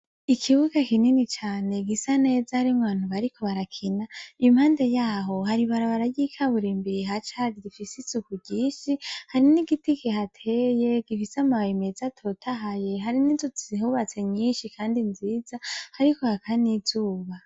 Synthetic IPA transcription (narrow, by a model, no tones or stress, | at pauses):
ikʰiβuɡakininit͡ʃaːne̞ɡisane̞ːzahaɾimwaːn̥huβaɾikʰo̞βaɾakʰinaijumhaːnde̞jaːɦo̞haɾiβaɾaβaɾaɟikʰaβuɾiːmbiɾiɦat͡ʃaɡiɡifisizukuɟiːʃihaɾiniɡitikehatʰeje̞ɡ̥ifisamaimezatʰo̞tʰaɦaje̞ɦaɾininzut͡sihuβat͡se̞ɲiːnʃikʰaːndinziːz̥ahaɾiko̞hakʰanizuːβa